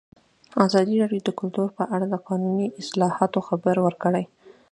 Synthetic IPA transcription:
azɑd̪iɾɑɖjod̪əkʊlt̪uɾpəʔaɽad̪əqɑnuniʔɪslɑhɑt̪oxabəɾwəɾkəɽaj

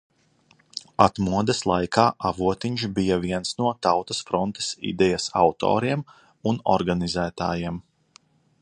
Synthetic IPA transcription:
at̪muɔd̪ɐslˠajkʰaːʔavuɔt̪iɲʃbijɐviɛnsnuɔt̪awt̪ɐsfɾɔnt̪e̥sḭd̪ɛjasa̰wt̪ɔ̰ːɾiɛm | unɔ̰ɾɡanizæːt̪a̰ːjiɛm

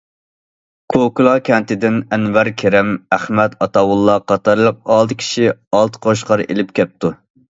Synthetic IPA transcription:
kʰokulˠɑkʲɛnt̪ɪd̪ɪnɛnwæɾkʲʰeɾɛmæχmɛt̪ɑt̪ɑwulˠːɑqʰɑt̪ɑɾlˠəq̚ɑːlˠd̪ɨkʲʰi̥ʃiɑlˠt̪ʰɨ̥qʰoʃ̬qʰɑɾḛlɪp̚kʲɛp̚t̪u

